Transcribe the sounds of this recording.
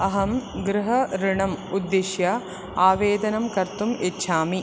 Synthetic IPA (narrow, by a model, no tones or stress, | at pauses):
ɐɦɐmɡɾɪɦɐɾɪɳɐmud̪ːeʃjɐ | aːʋeːd̪ɐnɐmkɐɾt̪umetːʃʰaːmi